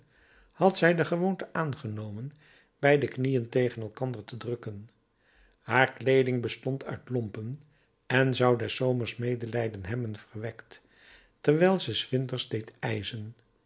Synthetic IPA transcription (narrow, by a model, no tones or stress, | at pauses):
hɑtsɛjdəχəʋoːntəʔaːnχənowmən | b̥ɛjdəknijəntejχənɛlˠkɑndərtədrɵkən | haːɹklejdɪŋbəstɔntʰœ̰ɥtlɔmpən | ɛnzɑwdɛsowməɹsmejdəlɛjdənɦɛbənv̥ərʋɛkt | tɛrʋɛjlˠzɛsʋɪntəɹzdejtɛjzən